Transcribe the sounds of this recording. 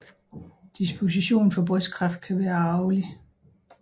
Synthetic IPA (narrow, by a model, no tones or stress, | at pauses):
d̥isb̥o̝s̬iɕo̝̰ːnfɒ̽b̥ʁœskʰʁɑ̈fd̥̚kʰæʋæːɐɑ̈ʊli